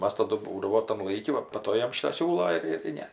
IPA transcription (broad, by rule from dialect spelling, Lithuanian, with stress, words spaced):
ˈmɐs ˈtɑːdʊ ˈbuːdɐʋoː tɐm ˈlˠɐɪkʲɪ ˈʋɐ pɐ ˈtoː ˈjɛm ˈʃʲɪtoː ˈsʲuːlˠoː ɪr tɐɪ ˈnʲɛ